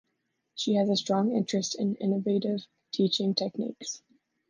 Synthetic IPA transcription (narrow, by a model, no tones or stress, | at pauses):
ʃiɨzəstɹ̥ɔ̃ŋɪ̃nt͡ʃɹ̥ɨstɨ̃nɪ̰̃nəveɪɾɪv̥ | tʰit͡ʃɪ̃ŋtʰɛk̚nḭks